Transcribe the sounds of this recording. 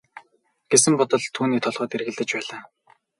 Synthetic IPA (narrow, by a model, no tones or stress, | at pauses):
ɡ̥esɘ̆mpɔt̪ɞ̆ɮt̪ʰuːniːt̪ʰɔɮʁɔːt̪erɣɘ̆ɮt̪ɘ̆t͡ɕpæːɮaː